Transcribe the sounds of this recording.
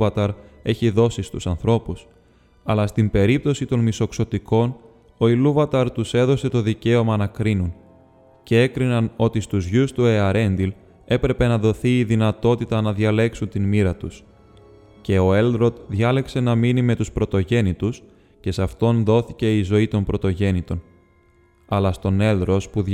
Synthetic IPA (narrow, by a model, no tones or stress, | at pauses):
vɐt̪ɐɾ | e̞çiðo̞sist̪usɐnθɾo̞pus | ɐlɐst̪imbe̞ɾip̚t̪o̞sit̪o̞nmiso̞kso̞t̪iko̞n | o̞iluvɐt̪ɐɾt̪use̞ðo̞se̞t̪o̞ðice̞o̞mɐnɐkɾinun | ce̞e̞kɾinɐno̞t̪ist̪uzʝust̪ue̞ɐɾe̞nd̪il | e̞pɾe̞pe̞nɐðo̞θiːðinɐt̪o̞t̪it̪ɐnɐðʝɐle̞ksunt̪inmiɾɐt̪us | ce̞o̞e̞ld̪ɾo̞t̪ðʝɐle̞kse̞nɐminime̞t̪uspɾo̞t̪o̞ʝe̞nit̪us | ce̞sɐft̪o̞nðo̞θice̞izo̞it̪o̞mpɾo̞t̪o̞ʝe̞nit̪o̞n | ɐlɐst̪o̞ne̞ld̪ɾo̞spu